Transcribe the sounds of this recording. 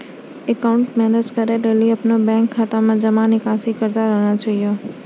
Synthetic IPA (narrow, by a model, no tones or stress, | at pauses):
ekaʊɳʈmɛned͡ʒkəɾeɾeliəpnobɛ̃ŋkʰːat̪amãd͡ʒəmanikãsikəɾt̪aɾəɦnad͡ʒəijo